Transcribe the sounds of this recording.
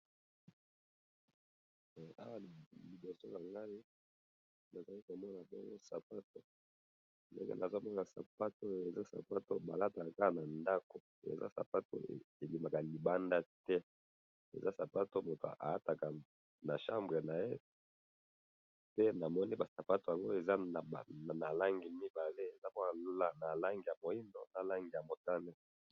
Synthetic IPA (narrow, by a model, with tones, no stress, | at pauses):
a˦wa˨li˨bo˨so˦la˨ŋɡa˦li˦ | na˨za˨li˦ko˨mɔ˦na˨bɔ˦ŋɡo˦sa˨pa˦to˦ | ndḛ˦ŋɡḛ˦na˨za˦mɔ˦na˨sa̰˨pa˦to˦e˨za˦sa̰˨pa˦to˦ba˨la˦ta˨ka˨ka˦na˨nda˦ko˨ | ḛ˨za̰˦sa̰˨pa˦to̰˦˨e˨li˨ma˨ka˨li˨ba˦nda˦tɛ˦ | ḛ˨za˦sa˨pa˦to˦mo˨to̰˨ʔa̰˨a˦ta˨ka˨ | na˨ʃa˦mbʁe˨na˨je˦ | pe˦na˨mɔ˦ni˦ba˨sa˨pa˦to˨ja˨ŋɡo˦e˨za˦˨ba˨na˨la˦ŋɡi˨mi˦ba˨le˦e˨za˦ba˦na˨lla˦na˨la˦ŋɡi˨ja˨mo˨i˦ndo˦na˨la˦ŋɡi˨ja˨mo˨ta˦nɛ˦